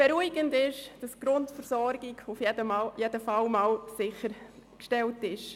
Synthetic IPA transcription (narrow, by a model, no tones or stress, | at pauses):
b̥ɛɾuiɡəndɪʃd̥ɑsɡ̥ɾʊntfəɾsɔɾɡɪɡʊfjɛdəmajedəfɑlmɑːlsɪχəɾkʃtɛltɪʃ